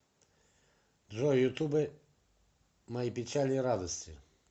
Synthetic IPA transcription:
d̪ʐɔjjʊt̪ubɪ | mɐjipʲɪt͡ʃalʲiɾad̪ɔsʲtʲi

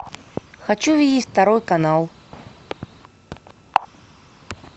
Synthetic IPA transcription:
xat͡ʃuvʲidʲit͡sʲt̪aɾɔjkanalˠ

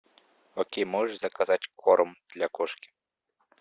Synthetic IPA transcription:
ɔkʲejmɔʒʂzɐkazatʲkɔɾɔmd̪̥lʲakɔʂkʲi̥

